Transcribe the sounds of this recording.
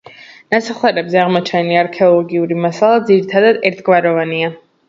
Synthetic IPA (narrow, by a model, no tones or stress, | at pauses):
nasaχwɛɾɛbzɛaʁmɔt͡ʃʰɛniaaɾkʰɛɔlˠɔɡiuɾimasalˠad̪ziɾit̪ʰad̪ad̪ɛɾt̪ʰɡvaɾɔvania